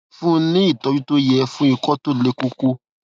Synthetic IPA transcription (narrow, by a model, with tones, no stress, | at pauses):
fũ˦nĩ˦i˦˨tɔ˨˧bi˦to˦jɛ˧fũ˦i˦˧kɔ˦to˦le˧ko˧ko˦